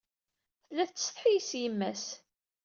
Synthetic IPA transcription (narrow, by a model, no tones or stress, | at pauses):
θəlːæθt͡s̪ːsðˤħijisjəmːæs